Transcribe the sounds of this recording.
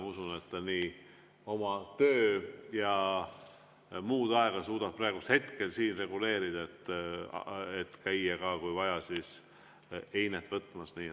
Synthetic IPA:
usunet̪ːniː | o̞mɑt̪øːjɑ | muːd̪̥ɑe̞ɡ̥ɑsuːd̪̥ɑb̥̚pːrɑeɡ̥ust̪he̞t̪ke̞lsiːnre̞ɡule̞ːɾid̪̥ɑet̪ːˑ | et̪kæjːɑkɑkujvɑjɑsiːs | e̞jnet̪ːˑvɤt̪ːˑmɑsniː

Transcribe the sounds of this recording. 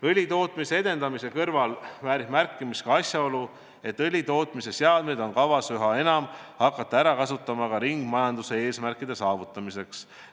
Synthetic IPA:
ɤlʲit̪o̞ːt̪ˑmise̞e̞d̪e̞nd̪ɑmise̞kɤrvɑlvæːɾihmærkːˑimiskɑɑsjɑo̞lu | e̞t̪ːˑɤlʲit̪o̞ːt̪ˑmise̞seɑd̪̥̚me̞d̪o̞nkɑvɑsyɦɑe̞nɑmhɑkːˑɑt̪ːˑɑæɾɑkɑsut̪ːˑɑmɑkɑɾiŋɡ̥mɑjɑnd̪use̞eːsmærkˑːid̪̥e̞sɑːvut̪ːˑɑmise̞ks

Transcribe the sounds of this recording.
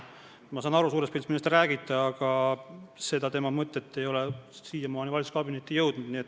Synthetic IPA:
mɑsɑːnɑɾusuːɾe̞spiːlsminːlest̪ræːɡit̪ːˑɑɑɡ̥ɑ | se̞d̪ɑt̪e̞mɑmɤt̪ːˑe̞t̪ːe̞jo̞lesiːjɑmɑːnivɑlʲtsu̥skɑbinet̪ːijɤwd̪̥nud̪̥niet̪ːˑ

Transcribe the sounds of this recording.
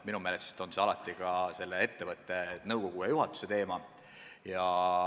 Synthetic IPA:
minumeːlest̪o̞nseɑlɑt̪ːˑikɑse̞lːee̞t̪ːe̞vɤt̪ːˑe̞t̪nɤwko̞ɡ̥ujɑjuɦɑt̪ːˑu̥se̞t̪e̞ːmɑ | jɑ

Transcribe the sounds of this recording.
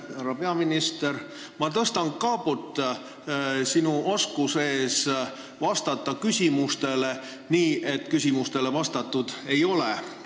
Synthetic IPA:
æɾɑpe̞ɑminist̪e̞ɾ | mɑt̪ɤst̪ɑŋkɑːput̪ːˑ | sinuoskuse̞ːs | vɑst̪ɑt̪ˑːɑkysʲimust̪e̞le̞ | niːʔe̞t̪ːˑkysʲimust̪e̞le̞vɑst̪ɑt̪ːˑud̪̥e̞jo̞le

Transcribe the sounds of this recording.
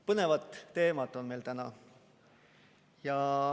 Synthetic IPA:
pɤne̞vɑt̪ːe̞ːmɑt̪ːˑo̞nme̞jlt̪ænɑ | jɑ

